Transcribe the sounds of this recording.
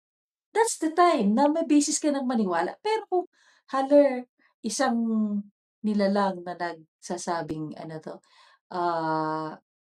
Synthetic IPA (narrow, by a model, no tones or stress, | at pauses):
d̪ɐt̪sd̪ɐt̪ajmnɐmɐjbɛːsɪskɐnɐŋmɐnɪwaːlɐ̰ʔpɛːɾokʊŋ | halɛɹ | ʔɪsaŋ | nɪlalɐŋnɐnɐɡ̚sasaːbɪŋɐ̰not̪o̞ | ʔaː